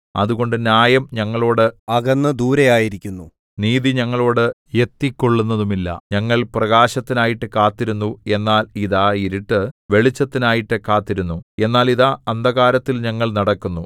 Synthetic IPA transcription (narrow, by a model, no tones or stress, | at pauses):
ɐ̰ðuɣo̞ɳɖɨnjaːjɐmɲɐŋːɐɭo̞ːɽɨɐɣɐnːɨd̪uːɾɐjaːjiɾikʲːunːu | niːðiɲɐŋːɐɭo̞ːɽɨje̞t̪ːikːoɭːunːɐðumilːɐ̰ɲɐŋːɐɭprɐɣaːɕɐt̪ːinaːjiʈːɨkaːt̪ːiɾunːue̞nːaːliðaːjiɾiʈːɨʋe̞ɭit͡ɕːɐt̪ːinaːjiʈːɨkaːt̪ːiɾunːue̞nːaːliðaɐnd̪ʱɐɣaːɾɐt̪ːilɲɐŋːɐɭnɐɽɐkːunːu